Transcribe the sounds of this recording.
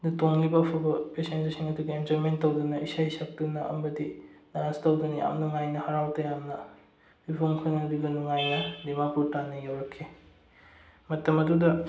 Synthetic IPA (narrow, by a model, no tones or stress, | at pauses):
dutoŋlibɐːpʰubɐpesensisiŋɐduɡiend͡ʒoimentɐwdunɐʔisajsɐk̚tunɐɐ̰mɐdidanstɐwdunɐja̰mnɐŋajnɐhaɾawtɐjamnɐ | ipʰoŋkʰɯnɐbiɡɐnuŋajnɐdimapʰuɾtanːɐjawɾɐkʰːe | mɐtɐmɐdudɐ